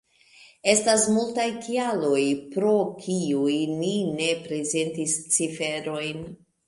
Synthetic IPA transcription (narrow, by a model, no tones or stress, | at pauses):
e̞stasmultajkialo̞jpɾo̞kʰiujnine̞pɾe̞ze̞ntist͡sife̞ɾo̞jn